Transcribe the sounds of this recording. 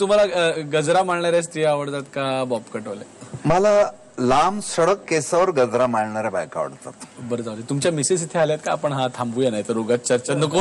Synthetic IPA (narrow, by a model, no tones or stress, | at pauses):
t̪um̤alaɡəd͡zɾamaɭɳaɾjast̪iaaʋəɽt̪at̪kabɔpkəʈolemala | lamsəɽəkːesaʋəɾɡəd͡zɾamaɽɳaɾabajka̰ʋə̰ɽt̪a̰t̪bəɾəd͡zaʋlit̪umt͡ɕjamisisit̪ʰealjat̪̚kaapəɳɦat̪ʰambuːjenajt̪əɾoɡat͡s̪̚t͡ɕəɾt͡ɕanəko